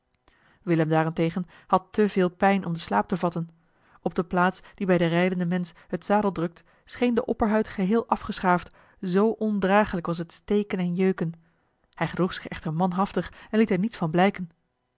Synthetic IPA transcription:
ʋɪləmdaːrɛntejχən | hɑtəvɪːlˠpɛjnʔɔmdəslaːp̚təvɑtən | ɔb̚dəplaːtsd̥ibɛjdərɛjdəndəmɛns | hətsaːdəlˠdrɵk̚t | sχejndəʔɔpəɹɦœɥtχəɦɪːlˠʔɑfχəsχaːft | zowʔɔndraːχələkʋɑs̬ɦətstejkənɛnjøɥkən | hɛjχəd̥ruχsɪ̥χɛχtəɹmɑnɦɑftəχɛnlitɛɹnitsfɑnblɛjkən

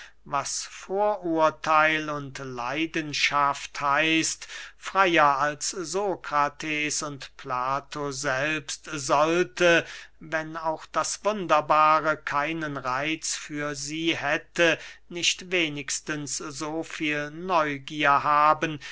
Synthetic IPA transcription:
vasfoːɐʔuɐtʰaɪlʊntla̰ɪdənʃafthaɪstfʁ̥aɪɐalszoːkʁ̥atʰɛːsʊntplaːtʰozɛlpstzɔltəvɛnaʊxd̥asv̥ʊndɐbaːʁəkʰaɪnənʁaɪt͡sfyːɐziːhɛtənɪʃtveːnɪkstənszoːfiːlnɔʏɡiːɐhaːbən

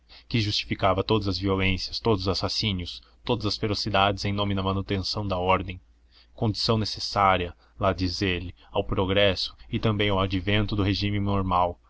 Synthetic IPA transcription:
kɪʒust͡ʃi̥fikavɐt̪od̪ɐzɐzviolẽsjɐst̪od̪ʊzʊzasasĩnʊs | t̪od̪ɐzɐsfeɾosid̪ad͡ʒɪzẽj̃nõmɪd̪ɐmɐ̃nut̪ẽsɐ̃w̃d̪ɐɔɾd̪ẽj̃ | kõd͡ʒisɐ̃w̃nesesaɾiɐ | lad͡ʒizelɪ | awpɾoɡɾɛsʊ̥ɪt̪ɐ̃mbẽj̃awad͡ʒivẽnt̪ʊd̪ʊɦeʒĩmɪnoɾmaw

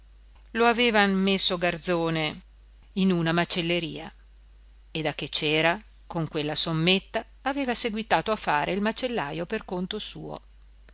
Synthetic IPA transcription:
loaveːvamːesːoɡard̪zoːne | inunamat͡ʃelːeɾḭːa | ed̪ak̟ːet͡ʃɛːɾa | koŋkwelːasomːet̪ːaːveːvaseɡwit̪aːt̪oafaːɾeilmat͡ʃelːa̰ːjoperkont̪osuːo̰

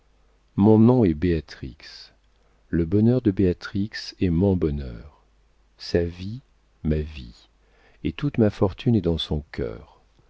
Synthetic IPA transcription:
mɔ̃nɔ̃ɛbeat̪χḭks | ləbɔnœʁd̪əbeat̪χiksɛmɔ̃bɔnœ̰ːʁ | savi | mavi | et̪ut̪mafɔʁt̪ʰynɛd̪ɑ̃sɔ̃kʲœ̰ːʁ

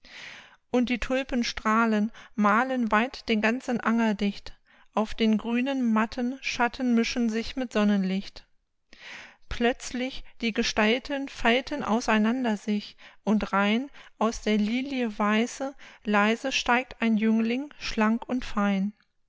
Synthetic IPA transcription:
ʔʊnt̚d̥iːtʰʊlpənʃtʁ̥aːlənmaːlənvaɪtd̥eːnɡant͡sn̩ʔaŋɐdɪçt | ʔaʊfd̥eːnɡʁyːnənmatʰənʃatʰən̩mɪʃn̩zɪçmɪtz̥ɔnənlɪçt | pʰlœt͡slɪçd̥iːɡəʃtaltʰənfaltʰənʔa̰ʊsaɪnandɐzɪçʔʊntʁaɪnʔaʊsd̥eːɐliːljəvaɪzəlaɪzəʃtaɪk̚taɪnjʏŋlɪŋʃlaŋkʊntfaɪn

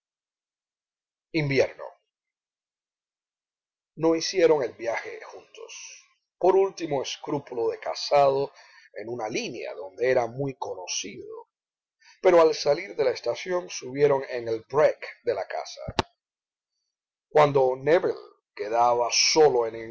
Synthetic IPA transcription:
imbje̞ɾno̞̰ | no̞isje̞ɾo̞ŋe̞lbjaxe̞̰xunt̪o̞̰s | po̞ɾult̪imo̞eskɾupuloðe̞ka̰sað̞o | e̞nunalinja̰ðo̞nd̪e̞e̞ɾamujko̞no̞siðo̞̰ | pe̞ɾo̞alsaliɾðe̞laest̪asjo̞ŋsuβje̞ɾo̞ŋeŋe̞lbɾekd̪e̞laka̰sa̰ | kwand̪o̞neβḛl | ke̞ðaβaso̞lo̞ene

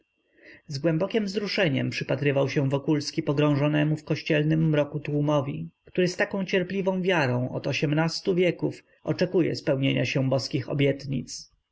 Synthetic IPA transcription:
zɡwɛmbɔkʲimvzɾuʂɛɲɛ̰mpʂɘpat̪ɾɘvawɕɛ̃vɔkulskʲipɔɡɾɔ̃w̃ʐɔnɛmufkɔɕt͡ɕɛlnɘmːɾɔkut̪wumɔvʲḭkt̪uɾɘst̪akɔ̃w̃t͡ɕɛɾplʲivɔ̃w̃vʲjaɾɔ̃w̃ɔ̰t̪ɔɕɛmnast̪uvʲjɛkuf | ʔɔt͡ʂɛkujɛ̰spɛwɲeɲaɕɛbɔskʲixɔ̰bʲjɛt̪ɲḭt̪s

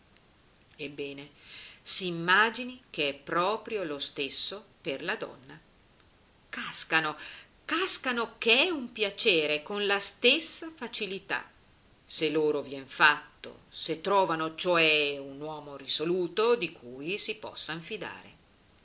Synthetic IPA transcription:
ebːɛːnesiːmːaːd͡ʒinik̟eɛpːɾɔːpɾjolost̪esːoperlad̪ɔ̰nːa | kaskano | kaskanokeɛumpjat͡ʃɛːɾekonlast̪esːafat͡ʃilit̪a̰ | seloːɾovjɛnfat̪ːo̰set̪ːɾɔːvanot͡ʃoɛunwɔːmorisoluːt̪od̪ikʰuːjsipɔ̰sːanfid̪a̰ːɾḛ

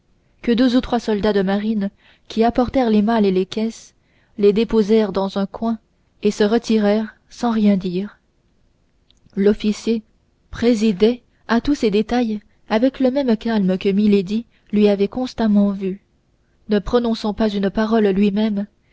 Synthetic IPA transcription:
kəd̪øzut̪χwasɔld̪ad̪əmaʁin | kʲʰiapɔʁt̪ɛʁlemalelekʲɛs | led̪epozɛʁd̪ɑ̃zɛ̃kwɛ̃ | esəʁət̪iʁɛːʁ | sɑ̃ʁjɛ̃d̪iːʁ | lɔfisje | pχezid̪ɛ | at̪used̪et̪aj | avɛkləmɛmkalməkəmiled̪i | lɥiavɛkɔ̃st̪amɑ̃vy | nəpχɔnɔ̃sɑ̃pazynpaʁɔlːɥimɛm

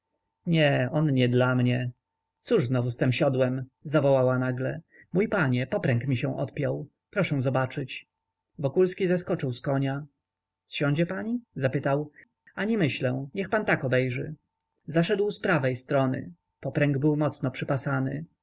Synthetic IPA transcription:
ɲɛɔnɲɛd̪lamɲɛ | t̪suʐznɔvust̪ɛmɕad̪wɛmzavɔwawanaɡlɛ | mujpaɲɛpɔpɾɛŋkmʲiɕɛ̃w̃ʔɔ̰t̪pʲjɔw | pɾɔʂɛ̃w̃zɔbat͡ʂɘt͡ɕ | vɔkulskʲizaskɔt͡ʂɘwskɔɲa | sɕɔ̃w̃ɲ̃d͡ʑɛpaɲizapɘt̪aw | aɲimɘɕlɛ̃ɲɛxpant̪akɔbɛjʐɘ | zaʂɛd̪wspɾavɛjst̪ɾɔnɘ̰ | pɔpɾɛŋɡbɘwmɔt̪snɔpʂɘpasanɘ̰

